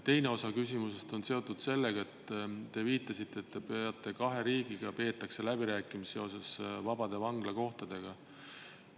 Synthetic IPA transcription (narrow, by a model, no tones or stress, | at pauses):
t̪e̞jne̞o̞sɑkysʲimuse̞st̪o̞nse̞o̞t̪ːˑud̪̥se̞lːe̞ɡ̥ɑe̞t̪ːt̪e̞viːt̪ːˑɑsit̪ːˑe̞ːt̪ːe̞peɑt̪ːˑe̞kɑɦe̞ɾiːɡ̥iɡ̥ɑpe̞ːt̪ːˑɑkse̞læb̥iɾæːkːˑimiseo̞s̬esvɑb̥ɑd̪̥e̞vɑŋɡ̥lɑko̞ht̪ɑd̪̥e̞ɡ̥ɑ